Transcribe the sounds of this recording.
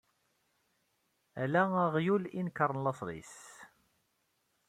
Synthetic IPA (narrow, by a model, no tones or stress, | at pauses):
ælæəʁjulinkːəɾˤənlɑsˤðˤḭs